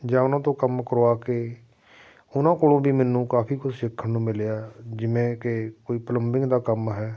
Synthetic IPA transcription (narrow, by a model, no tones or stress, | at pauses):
d͡ʒãːʊnãːt̪õːkəmkəɾoːaːkeː | ʊnãːkoːlõːbiːmɛːnũːkaːpʰiːkʊsʃɪkʰːənũːmɪleaːd͡ʒɪʋẽːkɪkoːiːpələmbɪ̃ŋɡd̪aːkəmɦɛː